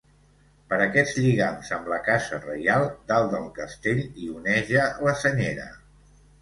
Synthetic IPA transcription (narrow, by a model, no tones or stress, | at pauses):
pəɾəkɛd͡zʎiɣanzəmləkazərə̰jalˠd̪alˠd̪əlˠkəst̪eʎiunɛʒələsəɲeɾə̰